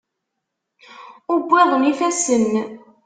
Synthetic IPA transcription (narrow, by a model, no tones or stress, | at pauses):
ʊbʷːɪðˤəmifæsən